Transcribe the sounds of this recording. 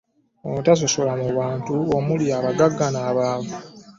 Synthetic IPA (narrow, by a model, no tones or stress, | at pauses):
omutas̬o̞so̞lamuβaːntuomuljaːβaɡaɡːanaːβaːβa